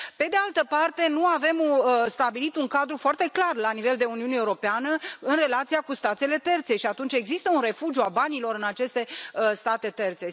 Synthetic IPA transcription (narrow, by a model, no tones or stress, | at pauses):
pe̞d̪e̞alt̪əpart̪e̞nuave̞mst̪abilit̪uŋkad̪ɾufoart̪e̞klarlanive̞ld̪e̞uniuneuɾo̞peanəɨnre̞lat̪sijakust̪at̪se̞le̞t̪e̞rt̪se̞ʃiat̪unt͡ʃe̞ɡzist̪əunre̞fud͡ʒjuabanilo̞ɾɨnat͡ʃe̞st̪e̞st̪at̪e̞t̪e̞rt̪se̞